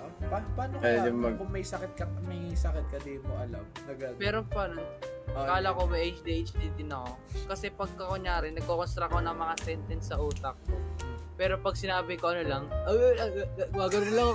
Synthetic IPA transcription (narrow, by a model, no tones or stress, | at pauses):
ʔɐpanpaːnokɛjʊŋmɐɡkʊŋmɐjsɐkɪt̪̚kɐmɐjsɐkɪt̪̚kɐd̪imoɐlamɐɡɐd̪pɛːɾopanonkaːlɐko̞mɐjʔejt͡ʃd̪iʔejt͡ʃd̪iːt̪ɪnɐkokɐsɛpɐɡ̚kɐkoɲaːɾɪnɐɡ̚kokost̪ɾɐɐko̞nɐŋmɐŋasɛnt̪ɛnsːɐʔuːt̪ɐk̚kopɛːɾo̞pɐɡ̚sɪnaːbɪkoʔɐnolɐŋʔɐoɐɡaɡɐnʊnlɐŋ